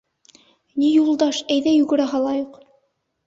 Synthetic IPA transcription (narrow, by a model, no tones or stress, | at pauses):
nijulˠd̪ɑʃæjðæjuɡɘ̆ɾæɦɑlˠɑjuq